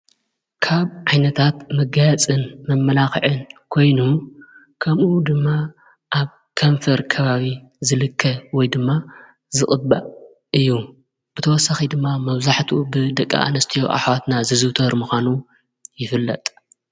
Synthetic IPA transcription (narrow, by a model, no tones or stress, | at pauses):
kʰaβʕajnɐt̪ʰat̪mɐɡajat͡sʼɨnmɐmːɐlaxɨ̰ʕɨnkʰo̞jnu | kʰɐmʔud̪ɨmːa | ʔaβ | kʰɐɱfɐɾkʰɐβaβi | zɨlɨkʰːɐwɔjd̪ɨmːa | zɨχʼɨba | ɨjːu | b̥ɨt̪ʰɐwɔsːaxid̪ɨmːamɐβzaħt̪ʰbɨd̪ɐkʼːa̰ʔa̰nɐst̪ʰijo̰ʔa̰ħwat̪nazɨzɨwt̪ʰɐɾmuxʷanu | jɪfɨlːɐ̰t̪ʼ